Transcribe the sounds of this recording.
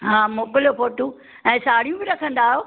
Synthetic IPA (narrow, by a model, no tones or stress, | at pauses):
ɦãːmoːkɪlijofoːʈũ | ɛ̃ːsaːɽ̤ijũbɪɾɐkʰə̃nd̪aːɦjoː